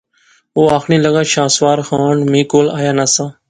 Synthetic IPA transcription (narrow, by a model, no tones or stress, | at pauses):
oːaːxɽĩːləɠãːʃãːsʋaːɾxaːɳmĩːkoːla̰ːjaːnaːsãː